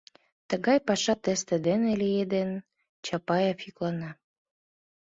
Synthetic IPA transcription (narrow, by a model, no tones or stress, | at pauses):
t̪əɣɑjpɑʃɑt̪est̪ĕd̪enelijed̪en | t͡ɕɑpɑjɑfiklɑnɑ